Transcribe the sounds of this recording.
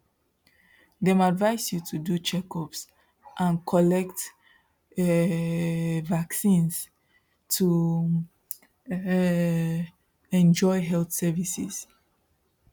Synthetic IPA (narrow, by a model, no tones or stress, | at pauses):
dɛ̃madvaɪsjutʰudut͡ʃɛkɔps | ʔãnkʰɔlɛkt | vaksĩns | tʰu | ɛ̃nd͡ʒɔɪɦɛlθsɛvisḭs